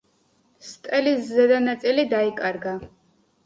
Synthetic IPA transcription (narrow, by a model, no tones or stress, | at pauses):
st̪ʼɛliszɛd̪anat̪sʼilid̪aikʼaɾɡa